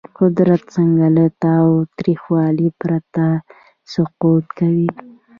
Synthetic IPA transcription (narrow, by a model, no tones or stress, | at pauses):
qʊd̪ɾat̪̚səŋɡalət̪awt̪ɾixwɑlipɾat̪a | sʊqut̪kawi